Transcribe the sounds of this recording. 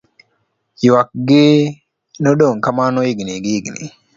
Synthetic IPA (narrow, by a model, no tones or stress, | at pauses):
juwak̚ɡi | noɗoŋkamanoiɡniɡiiɡnḭ